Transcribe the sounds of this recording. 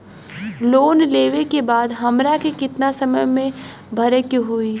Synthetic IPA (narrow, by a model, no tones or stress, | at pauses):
loːnleːʋekebaːd̪ɦɐmɾakekɪt̪nasɐməjmẽ | bʱɐɾəkiɦui